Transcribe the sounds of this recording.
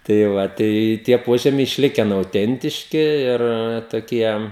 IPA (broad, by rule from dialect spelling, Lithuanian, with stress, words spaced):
tɐɪ ˈʋɐ tɐɪ ˈtʲiɛ ˈpoːʒʲɛmʲɛɪ ɪʃʲˈlʲɪkʲɛn ɐʊˈtʲɛnʲtʲɪʃʲkʲɪ ˈɪr toːˈkʲiɛ